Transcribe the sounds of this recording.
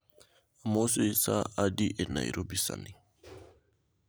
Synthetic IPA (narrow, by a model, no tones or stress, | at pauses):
amosoisaadiʔɛna̰jɾobisa̰ni